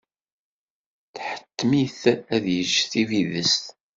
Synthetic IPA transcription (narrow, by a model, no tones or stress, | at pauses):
θħə̥t̪ːmiθæðjəʒːθiviðəst̪